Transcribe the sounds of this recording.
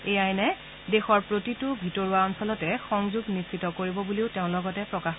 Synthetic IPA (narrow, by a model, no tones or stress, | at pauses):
ejajnɛ | dexɔɹpɹotitʊbʱitɔɹuaɔnsɔlɔtɛxɔŋzuɡnisitɔkoɹibɔbuliʊteʊ̃lɔɡɔtɛpɹɔkax